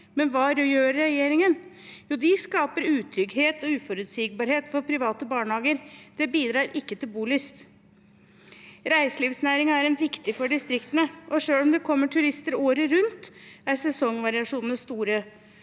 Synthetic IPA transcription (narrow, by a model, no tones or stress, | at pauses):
mɛnʋɑːɾjøːɾɾɛjeːɾɪŋən | juːd̪ɪskɑːpəɾʉːt̪ʰɾʏɡheːt̪ɔʉːfɔɾʉt̪siːɡ̚bɑːɾheːt̪fɔɾpʰɾɪʋɑːt̪əbɑːɳəhɑːɡəɾd̪̥ɛbiːd̪ɾɑːɾʔɪkːət̪ʰɪlbuːlʏst̪ | ɾæɪsəliːʋsnæːɾɪŋɑæɾɛnʋɪkt̪ɪfɔɖɪst̪ɾɪkt̪ənəʔɔʂøːlɔmd̪ɛkʰɔmːəʈʰʉɾɪst̪əɾoːɾəɾʉnt̪æɾsɛsɔŋʋɑɾɪɑʂuːnənəst̪uːɾə